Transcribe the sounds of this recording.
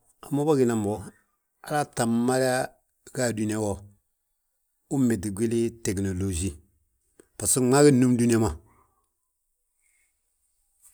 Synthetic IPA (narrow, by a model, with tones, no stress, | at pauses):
a˨mo˦ba˦ɡi˨na˨m˨ɔ˨ | a˨la˦ta˨m˦ma˦li˦a˦ | ɡa˦˨du˨˦ni˦a˦wɔ˨ | u˦me˨ti˨ɡʷe˦li˦tɛ˨kno˨lo˨d͡ʒi˦ | pa˨si˦ŋ͡ma˦ɡi˦nu˦m˦du˦ni˦a˦ma˨